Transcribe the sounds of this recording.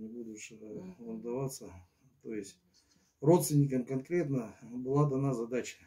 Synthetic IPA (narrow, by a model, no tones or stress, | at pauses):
nʲɪbud̪ʊɕɪəmd̪ɐvat̪sə | t̪oɪsʲtʲ | ro̞t̪st̪vʲɪnʲɪkəmkɐnkɾʲe̞t̪nəbɨlˠad̪ɐnazɐd̪at͡ɕə̥